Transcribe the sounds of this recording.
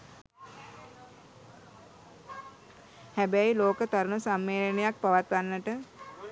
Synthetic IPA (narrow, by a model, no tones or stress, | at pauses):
hæbæjiloːkət̪aɾunusamːeːɾənejak̚paʋat̪ʋanːəʈə